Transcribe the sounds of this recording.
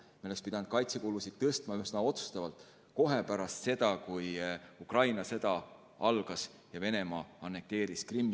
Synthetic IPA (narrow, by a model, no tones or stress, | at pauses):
milːekspid̪̥ɑnd̪̥̚kɑjt̪se̞koːlusid̪̥̚t̪ɤst̪mɑyhsnɑo̞t̪su̥st̪ɑvɑlt̪ˑ | ko̞ɦepæɾɑst̪se̞d̪̥ɑkujukrɑjnɑse̞d̪̥ɑ | ɑlɡ̥ɑs | jɑve̞ne̞mɑːɑnːe̞k̚t̪e̞ːɾiskrimː